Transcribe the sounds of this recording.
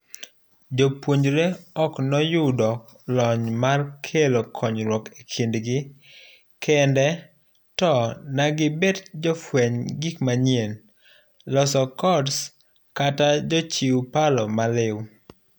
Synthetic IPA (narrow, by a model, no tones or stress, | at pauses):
d͡ʒopwoɲd͡ʒɾeɔknɔjʊdɔk | lɔɲmarkʰelokʰɔɲɾwɔkekʰindɡɪ | kʰɛndɛ | tɔnaɡɪbɛtd͡ʒɔfwɛɲɡikmaɲjen | lɔsɔkɔds | katad͡ʒɔt͡ʃiwpalɔmalɪw